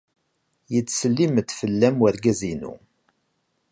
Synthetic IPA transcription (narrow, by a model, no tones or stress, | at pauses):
jət͡sːsəlːiməd̪fəlːæmwəɾɡæzinṵ